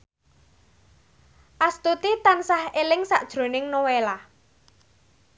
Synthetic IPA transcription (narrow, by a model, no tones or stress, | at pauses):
ʔast̪ut̪it̪ansahelɪŋsa̰ʔd̥ʒ̥ɾo̤nɪŋnowela